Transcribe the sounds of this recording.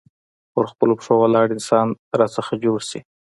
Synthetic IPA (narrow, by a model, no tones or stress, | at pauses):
pəɾxpəlopʂowalɑɽɪnsɑnɾɑsəxad͡ʒoɽsi